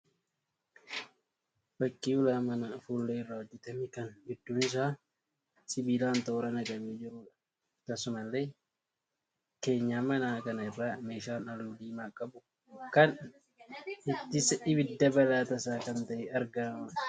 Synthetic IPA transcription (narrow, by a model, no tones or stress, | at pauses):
b̥ɐkʼːiːʊlaːmɐnɐfuːlːeːɪrːaːhɔd͡ʒːɛt̪ɐmɪkɐnbɪd̪ːʊːnɪs̬aː | sɪbiːlaːnt̪oːɾɐnɐɡɐmiːd͡ʒɪɾʊᶑɐ̥ | t̪ɐsʊmɐlːeː | ke̞ːɲːaːmɐnaːkɐnɐɪrːaːme̞ːʃaːnɐluːd̪iːmaːkʼːɐbʊ | kɐn | ɪt̪ːɪsɛʔɪbɪd̪ːɐbɐlaːt̪ɐsaːkɐnt̪ɐʔɛɐɾɡɐnɐmɐ